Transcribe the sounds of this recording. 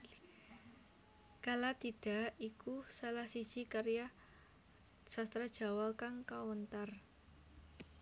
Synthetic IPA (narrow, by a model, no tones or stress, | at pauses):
kalat̪id̥a̤ʔikusalahsi̥ʒ̥ikaɾja | sast̪ɾad̥ʒ̥a̤walkaŋkawɔnt̪ar